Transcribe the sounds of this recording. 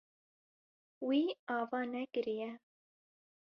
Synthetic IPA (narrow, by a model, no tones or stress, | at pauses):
wiːɑːvɑːnɛkɨɾijɛ